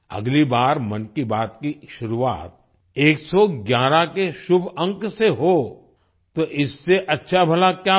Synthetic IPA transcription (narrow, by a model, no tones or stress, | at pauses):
ɐ̰ɡlibaːɾmɐnkibaːt̪kiʃʊɾuʋa̰ːt̪̚ | eːksɔɡjaːɾakeʃʊbʱə̃ŋkseɦo | t̪oʔɪsːeʔɐtːʃʰabʱɐlakjaː